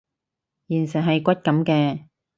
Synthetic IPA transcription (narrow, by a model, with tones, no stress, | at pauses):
jiː˨˩nsɛ˨˩nɦɐ˨jkʷɐ˥t̚kɐ˨˥mkɛː˧